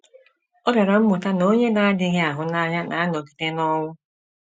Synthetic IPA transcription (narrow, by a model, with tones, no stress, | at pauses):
ɔ˦ba˨ɾa˨m̩˦mʊ˨ta˦no˦ɲe˦na˨a˦dɪ˦ɦe˦a˨ɦʊ˨na˦ɲa˦na˨a˦nɔ˨ki̥˨te˦nɔ˦ŋʷʊ˦